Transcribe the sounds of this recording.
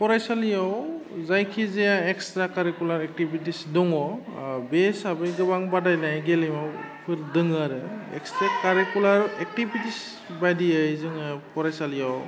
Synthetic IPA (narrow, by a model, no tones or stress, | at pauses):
pɔɾajsalijawzajkʰizejaekstɾakaɾikulaɾek̚tibitisdɔŋɔbesabɯnɡɯbaŋbadajnajɡelimawpʰɯɾdɯŋaɾɯɛ̰kstɾakaɾikulaɾek̚tibitis | bajdijɯjzɯŋɯpʰɔɾajsalijaw